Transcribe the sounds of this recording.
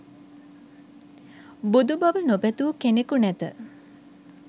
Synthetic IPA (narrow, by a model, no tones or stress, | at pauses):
bud̪ubaʋənobɛt̪uːkenekunɛt̪ə